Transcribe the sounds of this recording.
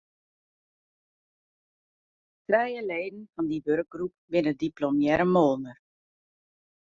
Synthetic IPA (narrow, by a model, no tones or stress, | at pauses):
trɛjəleːdən̩fɑndiʋørk̚ɡrup̚bɪnədiplɔmjɛɾəmoːlˠnər